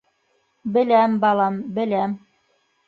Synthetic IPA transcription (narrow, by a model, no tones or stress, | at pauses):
bɘ̆læmbɑlˠɑmbɘ̆læm